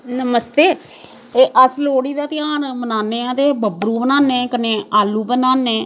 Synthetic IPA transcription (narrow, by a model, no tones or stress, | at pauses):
nəməst̪eː | eːʔəsloːɽiːd̪aːt̪ɪaːnmənaːnːeːãːt̪eːbəbɾuːbənaːnẽːkənẽːaːlːuːbənaːnẽː